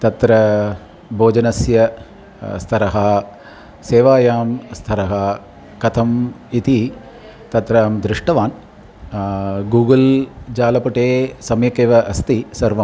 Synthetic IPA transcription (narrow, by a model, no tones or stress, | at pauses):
t̪ɐt̪ɾɐ | bʱoːd͡ʒɐnɐsjɐ | st̪ʰɐɾɐɦɐ | seːʋaːjaːmst̪ʰɐɾɐɦɐ | kɐt̪ʰɐm | it̪i | t̪ɐt̪ɾɐmd̪ɾɪʂʈɐʋaːn | ɡuːɡɐld͡ʒaːlɐpɐʈeːsɐmjɐkeːʋɐʔɐst̪isɐɾʋɐ